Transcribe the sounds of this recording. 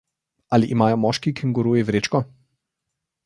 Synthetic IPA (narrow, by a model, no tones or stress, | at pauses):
aliʔimaːjɔmɔːʃkikiŋɡɔɾuːjɛvɾeːt͡ʃkɔ